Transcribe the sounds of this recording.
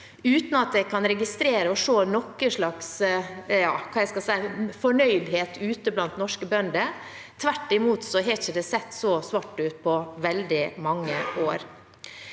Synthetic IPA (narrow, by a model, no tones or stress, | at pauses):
ʉːt̪nɑt̪̚d̪ɛkʰɑnɾɛɡɪst̪ɾeːɾəɔʂoːnɔkːəʂɭɑksjɑːkʰɑːjæɪskɑsæɪfɔɳœʏd̪ɦeːt̪ʉːt̪əblɑnt̪nɔʂkəbœnd̪ə | t̪ʰʋæʈːɪmuːt̪sɔɦɛçəd̪ɛsɛt̪ːsɔsʋɑʈːʉːt̪̚pʰɔʋɛld̪ɪmɑŋːəʔoːɾ